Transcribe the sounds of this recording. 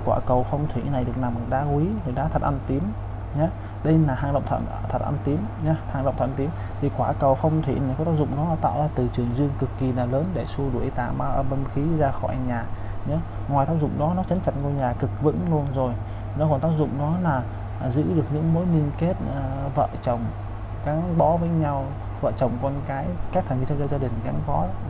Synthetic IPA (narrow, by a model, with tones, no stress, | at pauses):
kwaː˧˩kə˨˩wfa˧wŋ͡mt̪ʰwḭ˧˩na˨˩jɗɨ˨˩ək̚na˨˩m˨˩ɗa̰ː˧kwi˨˦t̪ʰi˨˩ɗaː˧˥t̪ʰə˨˩t̚ʔa˧nt̪i˨˦əm | ɲa˨˦ | ɗə˧jnaː˨˩haː˧ŋɗə̰˧˨ŋ͡mt̪ʰ | t̪ʰə˨˩t̚ʔa̰˧nt̪i˨˦əmɲa˨˦haː˧ŋɗə˧˨ŋ͡m̪ʰt̪i˨˦m | t̪ʰi˨˩kwaː˧˩kə˨˩wfɔ˧wŋ͡mt̪ʰḭ˧˨na˨˩jkɔ˨˦t̪aː˦˥zʊ̰˧˨ŋ͡mɗɔ˨˦a˨˩t̪a̰ː˧˨wzaː˧t̪ɨ˨˩t͡ɕɨ˨˩əŋzi˧əŋkɨ˨˩kːi˨˩naː˨˩ləː˨˦nɗe˧˩su˧əɗṵ˨˧˩ʔi˧t̪a̰ː˧˨maː˧ʔəː˧˩ɓə˧nxi˨˦zaː˧xɔ̰˧˩jɲaː˨˩ | ɲɔ˨˦ | ŋwaː˨˩jt̪ʰaː˦˥p̚zʊ̰˧˨ŋ͡mɗɔ˨˦nɔ˨˦t͡ɕə˨˦nt͡ɕa˧˩t̚kɔ˧ɲaː˨˩kɨ˨˩k̚vɨ̰˧˥ŋlu˧ənzo˨˩j | nɔ˨˦kɔ˨˩nt̪aː˦˥p̚zʊ̰˧˨ŋ͡mɗɔ˨˦laː˨˩˨ | zɨ̰˧˥ɗɨ˨˩ək̚ɲɨ̰˧˥ŋmo˨˦jli˧ənke˦˥t̚ːvə̰ː˧˨t͡ɕə˨˩wŋ͡m | kaː˨˦ŋɓɔ˨˥vəː˨˦jɲa˧w | və̰ː˧˨t͡ɕə˨˩wŋ͡mkɔ˧nkaː˨˦jka˦˥k̚t̪ʰŋvi˧t͡ɕɔ˧ŋ͡mzaː˧ɗï˨˩ŋka˨˦ŋɓɔ˨˦